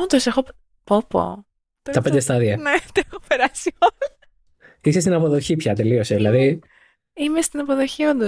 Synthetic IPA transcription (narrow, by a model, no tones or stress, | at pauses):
nd̪osexo | popo̰ | t̪ɐpnd̪est̪ɐðiɐnet̪exopeɾɐsiol | isest̪inɐpo̞ðoçipçɐt̪e̞lio̞seðilɐði | imest̪inɐpoðo̞çiond̪o